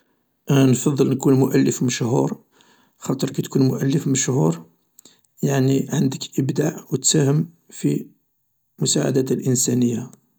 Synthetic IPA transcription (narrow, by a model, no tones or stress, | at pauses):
nfɑðˤːəlnkunmʊʔælːəfməʃhuɾ | xɑt̪ˤəɾˤkæt̪kunmʊʔælːəfməʃhuɾ | jaʕniʕənd̪əkʔəbd̪aʕwət̪sæhəm | fi | mʊsaʕa̰d̪æt̪əlʔənsænəjːa